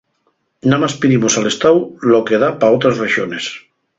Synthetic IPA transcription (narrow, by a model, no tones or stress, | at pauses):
nãmaspiðimosalest̪awlokeðapaot̪ɾasreʃones